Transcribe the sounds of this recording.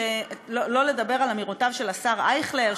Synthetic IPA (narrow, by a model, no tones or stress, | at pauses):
elolo̞ledabe̞ʁalamiʁotavʃe̞lasaʁajχleʁ